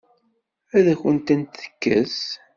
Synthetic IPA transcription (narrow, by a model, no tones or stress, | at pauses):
æðæçənt̪ənt̪θə̥kːə̰s